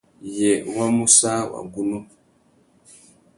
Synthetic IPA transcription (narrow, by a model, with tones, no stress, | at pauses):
jɛ˨wa˦mu˦sa˦wa̰˨ɡu˦nu˦